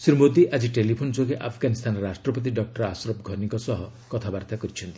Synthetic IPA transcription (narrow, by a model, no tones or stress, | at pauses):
siɾumod̪iʔad͡ʒiʈelipʰond͡ʒoɡeʔapʰɡanist̪ʰanɔɾasʈɾɔpɔt̪̬iɖɔk̚ʈɔɾasɾɔb̚ɡʱɔnikɔsɔɦɔkɔt̪ʰabaɾt̪akɔɾit͡ʃʰɔnt̪i̥